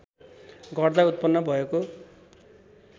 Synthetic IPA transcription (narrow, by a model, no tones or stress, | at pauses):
ɡʌrd̪aut̪̚pʌnːʌbʱʌeko